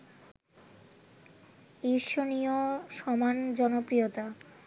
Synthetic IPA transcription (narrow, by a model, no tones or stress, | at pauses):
iɾʃonioʃɔmand͡ʑɔnopɾiot̪a